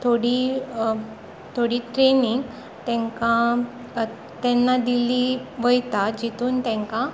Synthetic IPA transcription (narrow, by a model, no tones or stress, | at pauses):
t̪ʰoɽi | t̪ʰoɽiːʈɾeniŋɡ | t̪ɛ̃ŋkã | t̪ɛnːad̪iliːʋəjt̪ad͡ʑit̪uːnt̪ɛ̃ŋka